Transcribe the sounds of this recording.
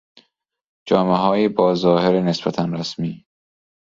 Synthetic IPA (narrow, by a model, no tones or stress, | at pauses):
d͡ʒɒːmeɦɒːjibɒːzɒːheɾenesbæt̪ʰænɾæsmiː